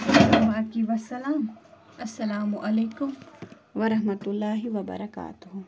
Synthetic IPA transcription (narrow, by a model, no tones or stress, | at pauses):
ɐmaːkiʋɐsːɐlaːm | ɐsːɐlaːmʊʔɐleːkʊm | ʋɐɾɐɦmɐt̪ʊlːaːɦiʋɐbɐ̰ɾɐka̰ːt̪ʊɦʊ